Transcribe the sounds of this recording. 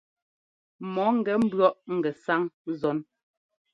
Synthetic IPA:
mɔ˨˦ŋ̩˨ɡɛ˨˦m̩˦bɰɔ˦ʔŋ̩˨ɡɛ˨sa˦ŋzɔ˨˦n

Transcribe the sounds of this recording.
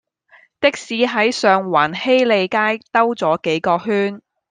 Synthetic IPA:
t̪ɪ˥k̚siː˨˥ɦɐ˨˥jsœː˨ŋwaː˨˩nhe˥jle˨˧jkaː˥jt̪ɐ˥wt͡sɔː˨˥ke˨˥jkɔː˧ɦyː˥n

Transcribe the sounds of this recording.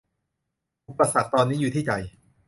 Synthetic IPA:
ʔu˨˩pːa˧sa˨˩k̚t̪ɔː˧nːiː˦˥juː˨˩t̪ʰiː˥˩t͡ɕa˧j

